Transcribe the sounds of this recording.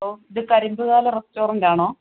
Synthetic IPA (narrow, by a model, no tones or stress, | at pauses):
oiðɨkɐɾimbɨɣaːlɐrestoːrinɡaːɳoː